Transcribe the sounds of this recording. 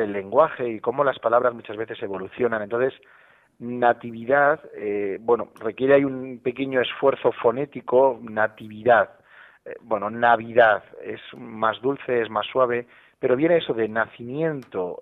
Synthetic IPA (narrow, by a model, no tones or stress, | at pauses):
elːe̞ŋɡwaxe̞iko̞mo̞laspalaβɾazmut͡ʃazβe̞θe̞se̞β̞o̞luθjo̞nanent̪onθe̞s | nat̪iβiðaðebwe̞no̰re̞kjeɾeaiumpe̞keɲo̞e̞sfwe̞ɾθo̞fo̞ne̞t̪iko̞nat̪iβiðað | bwe̞nonaβ̞iðaðe̞̰smazðulθe̞ezmasːwaβ̞e | pe̞ɾo̞βje̞neeso̞ðe̞naθimjẽ̞nt̪o